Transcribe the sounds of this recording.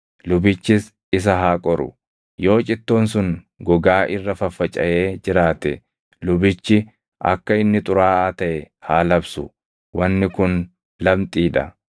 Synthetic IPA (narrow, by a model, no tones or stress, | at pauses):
lʊbɪt͡ʃːɪs | ɪs̬ɐɦaːkʼɔɾʊ̰ | jo̞ːt͡ʃʼɪt̪ːoːnsʊŋ | ɡɔɡaːʔɪrːɐfɐfːɐt͡ʃʼɐjʔe̞ːd͡ʒɪɾaːt̪ɛ | lʊbɪt͡ʃːɪ | ʔɐ̰kːɐɪnːɪt̪ʼʊɾaːaːt̪ɐʔɛ | haːlɐbsʊ | wɐnːɪkʊn | lɐmt̪ʼiːᶑɐ